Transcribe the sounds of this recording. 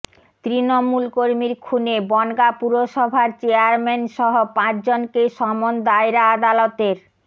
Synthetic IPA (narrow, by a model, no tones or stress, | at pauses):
t̪ɾinomulkoɾmiɾkʰunebɔnɡapuɾoʃɔbʱaɾt͡ɕeaɾmenʃɔɦopãt͡ɕd͡ʑonkeʃɔmond̪aeɾaad̪alot̪eɾ